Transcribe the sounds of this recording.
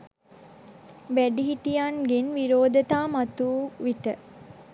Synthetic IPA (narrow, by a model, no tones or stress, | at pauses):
ʋæɖiɦiʈijaːnɡenʋiɾoːd̪ɐt̪aːmɐt̪uːʋiʈə